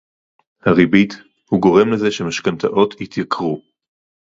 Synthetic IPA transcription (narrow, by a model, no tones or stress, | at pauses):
haʁibit̪ | huɡo̞ʁe̞mleze̞ʃemaʃkant̪a̰ʔo̞t̪hit̪jakʁu